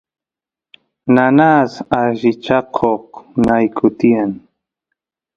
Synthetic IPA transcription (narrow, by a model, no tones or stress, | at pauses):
nanasaʒɪt͡ʃɑqʰoqnajkʰʊt̪ian